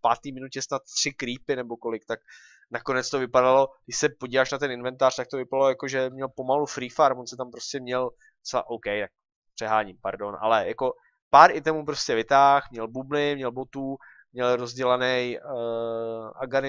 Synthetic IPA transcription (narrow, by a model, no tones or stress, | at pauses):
fpaːt̪iːmɪnucɛsnat̪t̪r̝̥ɪkɾiːpɪnɛbo̞ko̞lɪk̚t̪ak̚ | nako̞nɛt͡st̪ovɪpadalo̞ɡ̥dɪʃsɛpo̞ɟiːvaːʃnat̪ɛnɪnvɛnt̪aːr̥t̪ak̚t̪ovɪpadalojakoʒɛmɲɛlpo̞malufɾiːfaɾvonsɛt̪ampɾo̞scɛmɲɛl | ot͡sɛla̰ʔowkɛjt̪ak̚ | pr̥ɛɦaːɲɪmpa̰ɾdo̞nʔa̰lɛjako̞ | paːɾɪt̪ɛmupɾo̞scʲɛvɪt̪aːxmɲɛlbublɪmɲɛlbo̞t̪uː | mɲɛlɾo̞zɟɛlanɛj | ʔa̰ɡanɪ